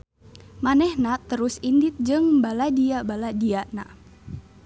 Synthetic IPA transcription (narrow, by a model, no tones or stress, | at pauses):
manɛhnat̪əɾusindit̪̚d͡ʒɨŋbaladiabaladiaʔna̰